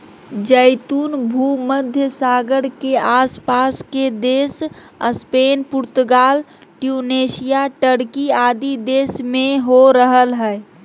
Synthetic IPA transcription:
d͡ʒəɪt̪uːnbʱuməd̪ʱjəsaːɡəɽkeaːspaːsked̪eːsəspeːnpʊɾt̪ʊɡaːlʈjuːneːsijaʈəɽkiaːd̪id̪eːsmẽɦoɾəɦəlɦɛː

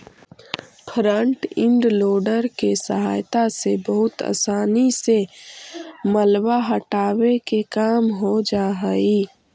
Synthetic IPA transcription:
pʰɾə̃ɳʈɪ̃ɳɖloːɖəɾkesəɦaːjt̪asebəɦʊt̪a̰ːsaːnise | məlwaɦəʈaːwekekaːmɦod͡ʒaːɦəi

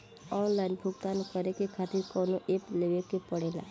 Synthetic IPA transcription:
ɔnlainbʱukt̪anekəɾekekʰat̪iɾkɔnuʔepleʋekepəɽela̰

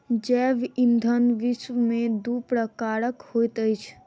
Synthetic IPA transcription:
d͡ʒɛːʋind̪ʱənʋɪsʋmẽd̪upɾəkaːɾəkhojt̪əjt͡ʃʰ

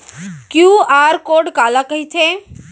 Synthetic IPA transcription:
kjuːaːɾkoːɾɖkaːlakɐɦit͡ʃʰe

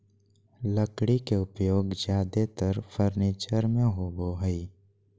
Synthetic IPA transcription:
ləkɽikeʊpjoːɡd͡ʒjaːd̪et̪əɾfʰəɾniːt͡ʃəɾmẽɦoboɦəi

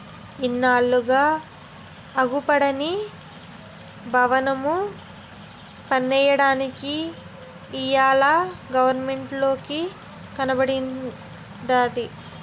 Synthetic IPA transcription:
inːaːɭːuɡaː | ɐɡupɐɽɐni | bʱɐʋɐnɐmu | pɐnːɛːjɐɽaːnikiː | jaːlaːɡɐʋɐɾnmeɳʈlo̞ːki | kɐnɐbɐɽin | d̪aːd̪i

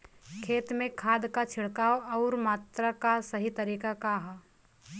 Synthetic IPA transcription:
kʰeːt̪mẽkʰaːd̪kat͡ʃʰɪɽkaːoɔːɾmaːt̪ɾakasɐɦit̪ɐɾiːkakaɦ

